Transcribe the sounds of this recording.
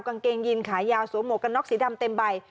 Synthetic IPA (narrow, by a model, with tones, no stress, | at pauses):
wka˧nkeː˧ŋji˧nkʰaː˩˦jjaː˧wsu˨˩˦mo˨˩ka˧nːɔ˦˥k̚siː˩˦da˧mt̪e˧mba˧j